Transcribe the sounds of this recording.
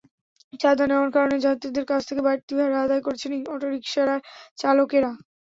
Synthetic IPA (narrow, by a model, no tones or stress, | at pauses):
t͡ɕad̪anɛoɾkaɾoned͡ʑat̪ːɾid̪eɾkat͡ɕʰt̪ʰekebajɾt̪ibʱaɾad̪aekoɾt͡ɕʰeniɔʈoɾikʃaɾaɾt͡ɕalokeɾa